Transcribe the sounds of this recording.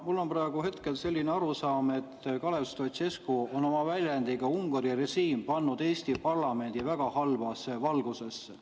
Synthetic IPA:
mulːo̞nprɑeɡ̥uɦe̞t̪ke̞lse̞lʲːineɑɾusɑːme̞t̪ːkɑle̞st̪ot̪se̞skuo̞no̞mɑvælʲjænd̪iɡ̥ɑuŋɡ̥ɑɾire̞ʃiːmpɑnːud̪e̞ːst̪ipɑrlɑme̞nd̪̥ivæɡ̥ɑhɑlvɑsevɑlɡ̥use̞sː

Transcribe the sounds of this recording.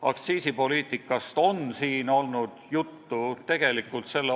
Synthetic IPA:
ɑkt̪siːsipo̞liːt̪ˑikːˑɑst̪o̞nsiːno̞lnud̪̥jut̪ːut̪e̞ɡ̥e̞likːˑult̪se̞lːe

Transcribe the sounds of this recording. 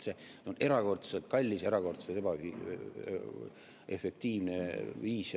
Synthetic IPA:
se | one̞ɾɑko̞rt̪selt̪̚kɑlʲːise̞ɾɑko̞rt̪set̪ebɑi | ʔe̞fe̞k̚t̪iːvneviːs

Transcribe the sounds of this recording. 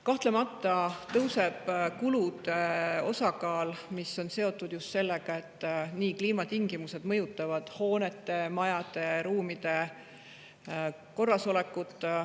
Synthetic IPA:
kɑht̪lemɑt̪ːˑɑt̪ɤwse̞b̥kulud̪̥eo̞sɑkɑːlmisːo̞nse̞o̞t̪ːˑud̪̥just̪se̞lːeɡ̥ɑe̞t̪ːniːkliːmɑt̪iŋɡimuse̞d̪mɤjut̪ːˑɑvɑd̪̥ho̞ːnet̪ːˑe̞mɑjɑd̪e̞ɾuːmid̪̥e̞ | ko̞rːɑso̞le̞kːˑut̪ˑː

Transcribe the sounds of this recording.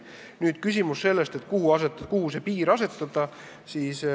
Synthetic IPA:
nyːd̪̥kysʲimusse̞lːest̪et̪ːˑkuhuɑset̪ːˑkuhuse̞piːɾɑse̞t̪ːˑɑd̪ɑ | siːs

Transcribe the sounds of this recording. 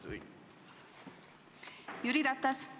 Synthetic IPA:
juɾiɾat̪as

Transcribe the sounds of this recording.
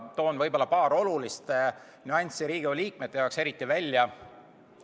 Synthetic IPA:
t̪o̞ːnvɤjbo̞lːɑpɑːɾo̞lulist̪e | nyɑnʲsiɾiːɡ̥iolʲiːk̚met̪ːˑe̞jɑokse̞ɾit̪ˑːivælʲjɑ

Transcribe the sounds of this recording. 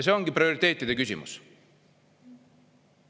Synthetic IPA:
s̬e̞o̞ŋɡ̥iprioɾit̪ːˑe̞ːt̪ːˑid̪ekysʲḭmṵs

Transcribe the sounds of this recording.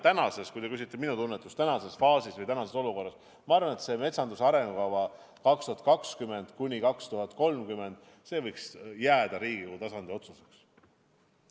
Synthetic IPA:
t̪ænɑse̞skujt̪e̞kys̬it̪ːˑe̞minut̪unːet̪ːˑust̪ænɑse̞sfɑːsisvɤjt̪ænɑse̞so̞luko̞rːɑs | mɑɑɾrvɑne̞t̪se̞me̞t̪sɑnd̪usɑɾe̞ŋɡukɑvɑ | kɑkst̪uɦɑt̪kɑkskyme̞nd̪̥kunʲikɑkst̪uɦɑt̪ˑko̞lmkyme̞nd̪̥ | se̞ːvɤjksjæːd̪̥ɑɾiːɡ̥iut̪ɑsɑnd̪io̞t̪suseks

